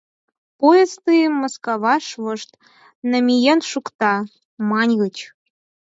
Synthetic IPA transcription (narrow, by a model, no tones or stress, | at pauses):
pojest̪ɨjmoskɑβɑʃβɤ̆ʃt̪ | nə̆mʲijenʃukt̪ɑ | mɑnʲɣə̆t͡ɕ